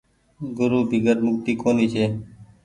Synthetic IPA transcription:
ɡʊɾuːbʱiɡəɾmʊkt̪iːkoːniːt͡ʃʰeː

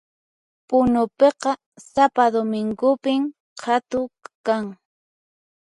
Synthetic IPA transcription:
pʊnʊpeqɑ | sapad̪omɪŋɡʊpɪm | hat̪ʊkaŋ

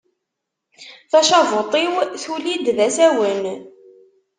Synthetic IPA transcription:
θæʃɑvot̪ˤiwθulid̪ðæsæwən

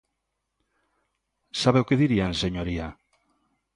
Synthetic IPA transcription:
saβeʊkeðiɾianseɲoɾia

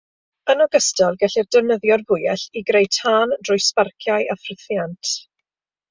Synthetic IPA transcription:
ənɔɡəstɔlˠɡɛɬirdəvnəðjɔrvʊjɛɬiɡɾejtʰhaːndrʊjsparkʰjaɨʔafrɪθjantʰ

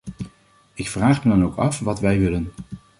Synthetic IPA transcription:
ɪkfraːχmədɑnowkɑfʋɑtʋɛjʋɪlən

